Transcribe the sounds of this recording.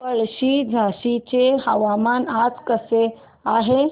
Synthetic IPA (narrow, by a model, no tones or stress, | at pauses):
əɭɕid͡zʱaɕit͡ɕehəʋamanad͡zkəse | aɦe